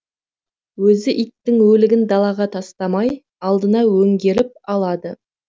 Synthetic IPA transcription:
wɵzɪʔijt̪ːɪŋwɵlɪɡʲɪnd̪ɑlˠɑʁɑt̪ʰɑst̪ɑmɑj | ɑlˠd̪ənɑwɵŋɡʲe̞ɾɪp̚ɑlˠɑd̪ə

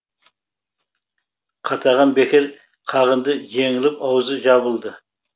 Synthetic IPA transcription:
qʰɑt̪ʰɑʁɑnbe̞kʲɪɾ | qʰɑʁənd̪əʒe̞ŋɪlɪpɑwzəʒɑβəlˠd̪ə

